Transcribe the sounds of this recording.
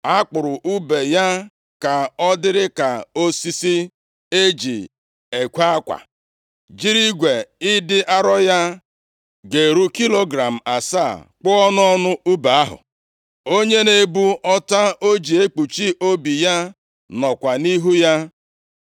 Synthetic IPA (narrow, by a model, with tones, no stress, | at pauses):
a˦k͡pʊ˨ɾʊ˨ʔu˦be˨ja˦ | ka˨ɔ˦dɪ˦ɾɪ˦ka˨o˦si˦si˦ | e˦d͡ʒi˨ | e˨kʷa˦kʷa̰˨ | d͡ʒi˦ɾi˦ɡʷe˨ɪ˦dɪ˦ʔa˦ɾɔ˦ja˦ | ɡe˨ɾu˦ki˦lo˦ɡɾa˨m̩˨a˨sa̰˦˨k͡pʊ˦ɔ˦n˦ɔ˦nʊ˦u˦ba˨a˦ɦʊ̰˨ | o˦ɲe˦ne˨bu˦ɔ˦ta˦o˦d͡ʒi˨e˦k͡pu˨t͡ʃi˦ʔo˦bi˨ja˦ | nɔ˨kʷa˨ni˦ɦu˦ja˦